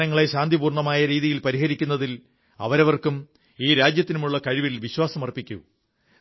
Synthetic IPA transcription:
nɐŋːɐɭe̞ɕaːnd̪ʱibuːrɳɐmaːjɐɾiːðijilpɐɾiɦɐɾikʲːunːɐðil | ɐ̰ʋɐɾɐʋɐrkum | iːɾaːd͡ʑjɐt̪ːinumuɭːɐkɐɻiʋilʋiɕwaːsɐmɐrpːikʲːṵ

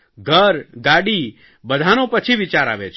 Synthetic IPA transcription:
ɡʱəɾɡaɽi | bəd̪ʱanopət͡ʃʰiʋɪt͡ʃaɾa̰ːʋet͡ʃ

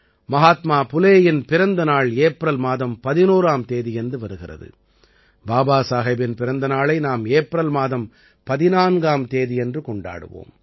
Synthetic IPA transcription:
mɐɦaːt̪maːpʊleːjɪnpɪɾɐnd̪ɐnaːɭeːpɾɐlmaːðɐmpɐðɪnuːɾaːmt̪eːðijɛndrɯʋɐɾɯɣɪrɐ̰ðɯ̰ | baːbaːsaːɣɐbɪnpɪɾɐnd̪ɐnaːɭɐɪnaːmeːpɾɐlmaːðɐm | pɐðɪnaːnɡaːmt̪eːðijɛndrɯkɔɳɖa̰ːɽɯ̰ʋo̰ːm

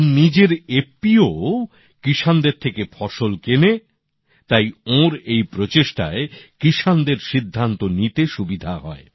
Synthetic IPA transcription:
nid͡ʑeɾepːio | kiʃand̪eɾt̪ʰekefʰɔʃolkene | t̪ajõɾejpɾot͡ɕeʃʈa̰ekɾiʃand̪eɾʃid̪ʱːant̪onit̪eʃubid̪ʱaɦɔe

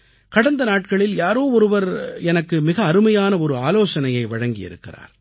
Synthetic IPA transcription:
kɐɽɐnd̪ɐnaːʈ̚kɐɭɪljaːɾoːɔɾɯʋɐɾɛnɐkːɯmɪɣɐːɾɯmɐjaːnɐɔɾɯaːloːsɐnɐjɐɪʋɐɻɐŋɡɪjɪ̰ɾɯ̰kːɪ̰ra̰ːɾ

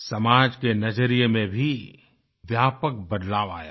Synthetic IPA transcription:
sɐmaːd͡ʒkenɐd͡ʒəɾijmẽbʱi | ʋjaːpək̚bɐd̪laːʋa̰ːja̰ː

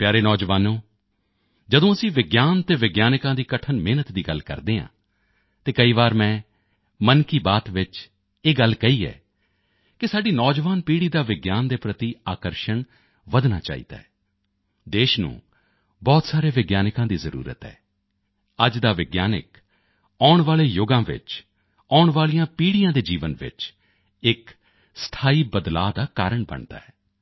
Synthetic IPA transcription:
pjaːɾeːnɔːd͡ʒʋaːnõː | d͡ʒəd̪õːəsĩːʋɪɡjaːnt̪eːʋɪɡjaːnkãːd̪iːkəʈʰənmeːnət̪d̪iːɡəlkə̰ɾd̪eːã̰ː | t̪eːkəiːʋaːɾmɛ̃ː | mənkiːbaːt̪ʋɪt͡ʃ | eːɡəlkəiːɛ̰ː | kɪsaːɖiːnɔːd͡ʒʋaːnpiːɽiːd̪aːʋɪɡjaːnd̪eːpɾət̪iːaːkəɾʃəɳ | ʋəd̪na̰ːt͡ʃa̰ːḭːd̪a̰ːɛː | d̪eːʃnṵ̃ː | bɔːt̪saːɾeːʋɪɡjaːnɪkãːd̪iːzəɾṵːɾə̰t̪ɦɛ̰ː | əd͡ʒd̪aːʋɪɡjaːnɪ̰k | aːʊɳʋaːleːjʊɡãːʋɪ̰t͡ʃ | aːʊɳʋaːlijãːpiːɽijãːd̪eːd͡ʒiːʋənʋɪ̰t͡ʃ | ɪk | st̪ʰaːiːbəd̪la̰ːd̪aːkaːɾəɳbə̰ɳd̪a̰ːɦɛː

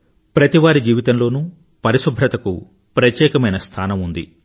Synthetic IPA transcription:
pɾɐt̪iʋaːɾid͡ʒiːʋit̪ɐnlo̞ːnuː | pɐɾisubʱɾɐt̪ɐkṵ | pɾɐt̪jɛːkɐmɐjnɐst̪ʰaːnɐmund̪ḭ

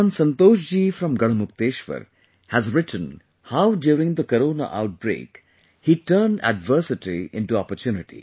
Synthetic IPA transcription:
nsə̃nt̪oːʃ̬d͡ʒiːfɾʌ̃mɡʌɽəmʊk̚t̪eːʃʋə̰ɾ | hæzɾɪʈʰə̃n | haʊɖjuːɾɪ̃ŋd̪əkəɾoːna̰ʔa̰ʊʈ̚bɾḛːk | hiːʈəːnɖæ̰ɖʋəɾsɪʈiʔɪ̰̃nʈuɔpəɾtjuːnɪʈḭ

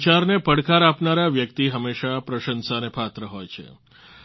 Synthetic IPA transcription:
t͡ʃaɾnepəɽkaɾapnaɾaʋjək̚t̪iɦəmːeʃapɾəʃənsanepʰat̪ɾəɦojt͡ʃʰḛ

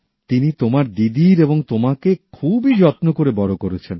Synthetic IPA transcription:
t̪init̪omaɾd̪id̪iɾeboŋt̪omakekʰubid͡ʑɔt̪nokoɾebɔɾokoɾet͡ɕʰen

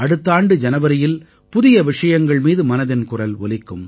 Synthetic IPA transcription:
ɐɽɯt̪ːaːɳɖɯd͡ʒɐnɐʋɐɾɪjɪl | pʊðɪjɐʋɪʂɐjɐŋɡɐɭmiːðɯmɐnɐðɪnkʊrɐlɔ̰lɪkːɯm

